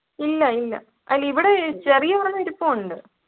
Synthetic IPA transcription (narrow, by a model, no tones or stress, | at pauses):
ilːɐilːɐ̰ | ʔɐ̰jɐliʋiɽet͡ɕerijɐʋɐrɐnːɐiɾupːoːuɳɖɨ